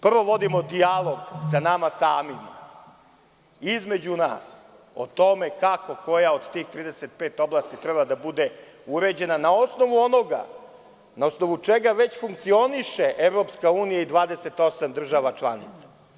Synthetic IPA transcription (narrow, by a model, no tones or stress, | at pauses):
pr̩ʋo̞ʋo̞d̪imo̞d̪ialˠo̞ɡsanamasaːmim | izme̞d͡ʑuna̰ːs | o̰t̪o̞me̞kako̞ko̞jaod̪t̪iːxt̪ɾiːd̪eset̪̚peːt̪o̞blˠaːst̪it̪ɾɛbad̪abud̪e̞ | uɾe̞d͡ʑe̞nanao̞sno̞ʋuo̞no̞ɡa̰ | naosno̞ʋut͡ʂeɡaʋe̞t͡ɕfuŋk̚t̪sio̞niʃeʔeʋɾo̞pskauːnijaid̪ʋaːd̪eset̪o̞samd̪r̩ʒaːʋat͡ʃlˠa̰nḭt̪sḁ